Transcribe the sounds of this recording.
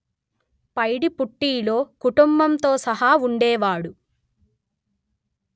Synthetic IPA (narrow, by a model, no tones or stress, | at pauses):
pɐjɽipuʈːiːlo̞ːkuʈumbɐmt̪o̞ːsɐɦauɳɖɛːʋaːɽu